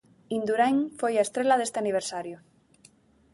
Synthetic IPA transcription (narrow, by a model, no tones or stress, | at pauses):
ind̪uɾajŋfojaest̪ɾelaðe̞st̪eaniβ̞eɾsaɾjo